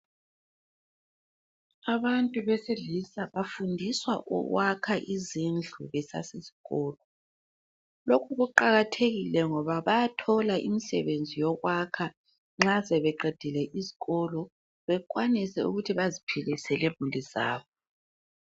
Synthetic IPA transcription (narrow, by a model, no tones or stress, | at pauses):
aβantʼuβɛseɮisaβafundʱiswa̰ʔɔ̰ɣwakʰaʔizind͡ɮʱuβɛsa̰sezi̥ɣɔːlɔ | lokʰuɣuǃaɣatʰeɣilɛŋɔβaβajatʰɔlaʔḭmisɛ̰βend͡zʱijɔɣwakʰa | ŋ͡ǁazɛβɛǃɛd̥ʱilɛʔiziɣɔlɔ | βɛk̬ʼwanisɛṵɣutʰiβazipʰilisɛlemuliza̰ːβɔ